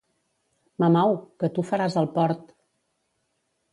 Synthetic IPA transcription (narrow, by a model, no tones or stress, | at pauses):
məmawkət̪ufəɾazəlˠpɔɾt̪